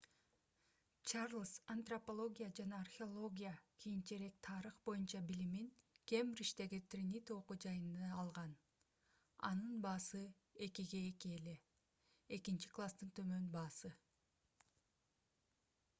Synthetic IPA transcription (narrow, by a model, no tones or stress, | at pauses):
t͡ʃarlˠsɐnt̪ropolˠo̞ɡʲijad͡ʒɑnɑːrxʲɪo̞lˠo̞ɡʲijakʰijint͡ʃeɾe̞k̚t̪ʰɑɾɯχbo̞junt͡ʃɑbiliminkʲe̞mɾiʃt̪e̞ɡit̪rʲinʲit̪oqud͡ʒɑjɯnd̪ɑːlˠʁɑn | ɑ̰nɯnbɑːsɯ | e̞kiɡe̞ːkiele̞ | e̞kint͡ʃi̥klˠast̪ɯnt̪ʰø̞mønbɑːsɯ